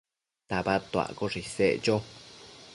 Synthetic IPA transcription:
t̪abat̪oa̰koʐiseʔt͡ʃo

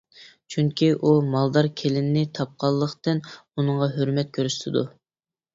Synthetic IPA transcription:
t͡ʃʰyŋkʲʰiʔumɑlˠd̪ɑɾkʲʰelɪnnɪt̪ʰɑp̚qʰɑlˠːəχt̪ɨnunəɴʁɑɦøɾmɛt̪̚kʲʰøɾysʃt̪ʰɪd̪ṵ

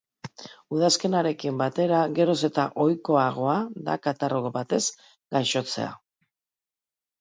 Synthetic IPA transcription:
uðaske̞naɾe̞kimbat̪e̞ɾaɣe̞ɾo̞se̞t̪aʔo̞jko̞aɣ̞o̞aða̰kat̪aroɣobat̪e̞z | ɡajʃo̞t͡se̞̰a̰

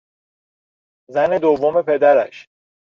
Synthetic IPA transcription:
zæne̞d̪ovːome̞pʰe̞d̪æɾæ̰ʃ

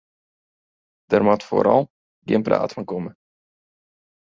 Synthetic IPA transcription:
d̥ərmatfo̰ɾɑ̰lˠ | ɡɪ̰ənpra̰ːtfɑnkɔmə

